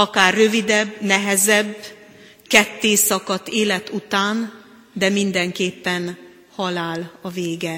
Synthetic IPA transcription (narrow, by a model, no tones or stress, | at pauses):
ɒkaːrːø̞vid̪ɛbːnɛɦɛzɛbː | kɛt̪ːeːsɒkɒt̪ːeːlɛt̪ut̪aːn | d̪ɛmind̪ɛŋkeːpːɛn | hɒlaːlɒveːɡɛ